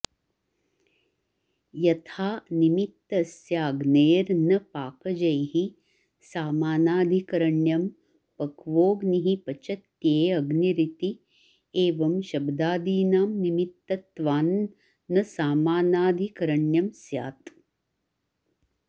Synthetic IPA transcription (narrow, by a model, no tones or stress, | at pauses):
jɐt̪ʰaːnimit̪ːɐsjaːɡneːɾnɐpaːkɐd͡ʒɐjɦi | saːmaːnaːd̪ʱikɐɾɐɳjɐm | pɐkʋoːɡniɦipɐt͡ʃɐt̪jeːɐɡniɾit̪i | eːʋɐmʃɐbd̪aːd̪iːnaːmnimit̪ːɐt̪ʋaːnː | ɐsaːmaːnaːd̪ʱikɐɾɐɳjɐmsja̰ːt̪